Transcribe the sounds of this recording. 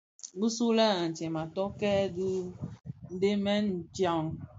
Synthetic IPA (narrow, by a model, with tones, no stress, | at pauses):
bu˦su˦lɛ˦˨a˨n̩˨t͡ʃɛ˨ma˨tɔ˦kɛ˦du˦ | de˦mɛ˦n̩˨t͡ʃa˨ŋ˨